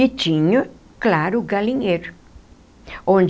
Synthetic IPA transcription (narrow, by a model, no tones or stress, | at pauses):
it͡ʃiɲu | klaɾʊɡaliɲeɾ | õnd͡ʒ